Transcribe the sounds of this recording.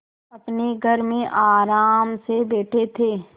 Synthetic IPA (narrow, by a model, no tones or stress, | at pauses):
ɐpneɡʱɐɾmẽʔaːɾaːmsebeːʈʰet̪ʰeː